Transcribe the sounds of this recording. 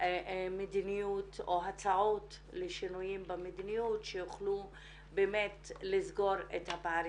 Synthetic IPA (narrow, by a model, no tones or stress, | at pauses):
medinijuto̞ɦat͡saʕot | leʃinujimbamedinijutʃejuχlu | beːmetlizɡo̞ɾethapaɾ